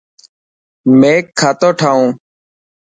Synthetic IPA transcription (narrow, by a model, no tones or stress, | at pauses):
meːkʰːaːt̪oːʈʰaːũː